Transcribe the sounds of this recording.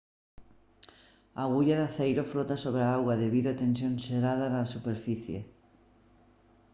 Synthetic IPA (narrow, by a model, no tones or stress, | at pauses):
aɣuʎaðaθejɾoflot̪asoβ̞ɾeaaɣwaðeβiðoat̪ensjõnseɾaðanasupeɾfiθjḛ